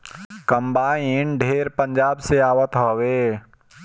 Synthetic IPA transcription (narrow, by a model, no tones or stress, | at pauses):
kə̃mbaːenɖʱeːɾpə̃ɲd͡ʒaːbseaːwət̪ɦoːweː